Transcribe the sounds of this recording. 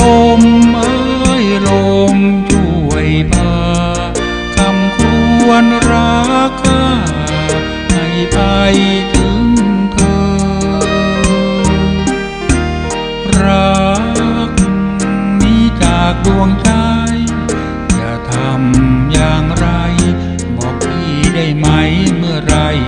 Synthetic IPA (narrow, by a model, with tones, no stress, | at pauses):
lo˧mʔɤː˧jlo˧mt͡ɕʰu˩˧˩əjpʰaː˧ | t̪ʰa˧mkʰɾu˧ənɾaː˧˥kʰːaː˧˥˩ | ma˧˩jpa˧jt̪ʰɯ˧˦˥ŋt̪ʰɤː˧ | ɾa˧ | k̚ | miː˧˥˩kaː˨˧˩k̚du˧əŋt͡ɕa˧j | ka˧˩t̪ʰa˧mjaː˨˩ŋɾa˧j | bɔː˨˩k̚t̪ʰiː˧˩da˥˩jma˦˥jmɯ˥˩əɾa˧j